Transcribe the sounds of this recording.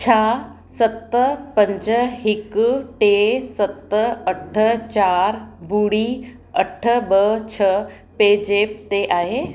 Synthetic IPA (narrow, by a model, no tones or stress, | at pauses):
t͡ɕʰaː | sɐt̪əpɐ̃ɲd͡ʑəɦɪkʈesɐt̪ɐʈʰət͡ɕaːɾbuːɽi | ɐʈʰəbət͡ɕʰə | peːd͡ʑeːp̚t̪eʔaːɦeː